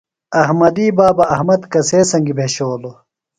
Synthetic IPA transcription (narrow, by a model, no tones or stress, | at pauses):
ɐɦmɐd̪iːbaːbɐɐɦmɐd̪kɐseːsɐŋɡibʱeːɕoːlo